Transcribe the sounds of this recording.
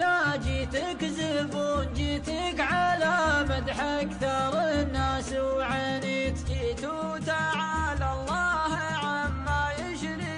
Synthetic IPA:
nad͡ʒiːt̪ɪkzɪbuːnd͡ʒiːt̪ɪkʕalamad̪ħakθɑɾˤnːaːswʕanikkit̪u | t̪aʕalalˤːɑːh | ʕamːajɪʃɾi

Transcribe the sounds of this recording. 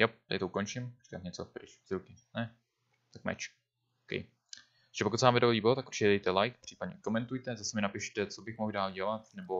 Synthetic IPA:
jɛp̚t̪aɪt̪oukont͡ʃɪmri̥kat̪ɲɛt͡sopɾɪt͡ʃz̥ɾukɪnɛ | t̪ak̚mɛ̰t͡ʃ | okɛ̰j | ʒ̥ɛpokut̪sɛvaːmvɛdoliːbot̪akuɾrt͡ʃɪcɛdɛjt̪ɛlajkpr̥iːpad̪ɲɛkomɛnt̪ujt̪ɛzasɛmɪnapɪʃt̪ɛt͡so̞bɪxmoɣdaːlɟɛlat̪nɛbo̞

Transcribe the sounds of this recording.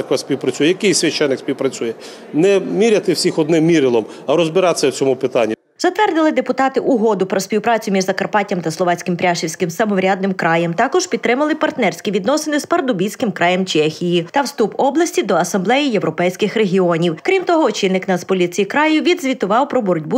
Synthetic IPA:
ɐkɛsʲpʲiwpɾɐt͡sʲujɛjɐkɪjsʲʋʲɐʃt͡ʃːɛnːɪksʲpʲiwpɾɐt͡sʲujɛ | nɛmʲiɾʲɐt̪ɪwsʲixɔd̪nɪmmʲiɾɪlˠɔm | ɐɾɔzbɪɾɑt̪sʲɐwt͡sʲɔmupɪt̪ɑ̰nʲːi | zɐt̪ʋɛrd̪ɪlˠɪd̪epʊt̪ɑt̪ɪʔʊɦɔd̪ʊpɾɔsʲpʲiwpɾɑt͡sʲʊmʲiʒzɐkɐrpɑtʲɐmt̪ɐslˠɔʋɑt͡sʲkɪmpɾʲaʃiwsʲkɪmsɐmɔʋɾʲad̪nɪmkɾɑjɛmt̪ɑkɔʒ̥pʲid̪̚t̪ɾɪmɐlˠɪpɐrt̪nɛrʲsʲkʲiʋʲid̪nɔsɪnɪspɐrd̪ʊbʲijsʲkɪmkɾʔɑjɛmt͡ʃɛxʲijit̪ɐwst̪upɔblˠɐsʲtʲid̪ɔɐsɐmblˠɛjijeʋɾɔpɛjsʲkɪxɾeɦʲiɔnʲiwkɾʲimt̪ɔɦɔt͡ʃɪnːɪknɐspɔlʲit͡sʲijikɾɑjʊʋʲid̪zʲʋʲit̪ʊʋɑwpɾɔbɔɾʊdʲbu

